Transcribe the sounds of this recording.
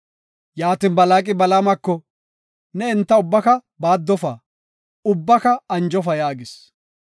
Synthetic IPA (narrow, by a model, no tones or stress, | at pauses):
jaːt̪inbɐlaːkʼɪbɐlamɐkːɔ | nɛɪnt̪ːɐʊbːɐkɐ | baːd̪ːɔfaː | ʊbːɐkɐɐnd͡ʒɔfɐjaːɡɪs